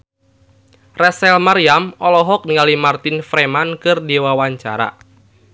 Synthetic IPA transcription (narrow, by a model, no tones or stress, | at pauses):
rɛsɛlmaɾiamɔlɔɦɔk̚niŋalimart̪ɪnfɾɛmankɨrdiwawaɲt͡ʃa̰ɾa̰